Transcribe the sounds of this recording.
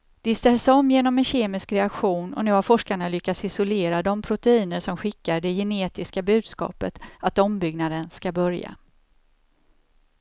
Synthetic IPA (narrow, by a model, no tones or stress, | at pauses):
d̪̥ɪst̪ɛːsɔmːjeːnɔmɛnɕeːmɪskɾɛakɧuːnɔ̰nʉ̟ːhaɾfɔʂkaɳalʏkːat̪sɪsɔleːɾad̪ɔmpʰɾʊt̪ɛiːnəʂɔmɧɪkːaɖɛjɛneːt̪ɪskabʉ̟ːd̪skɑ̰ːpət̪at̪ɔmbʏɡnad̪ənskabœɾja̰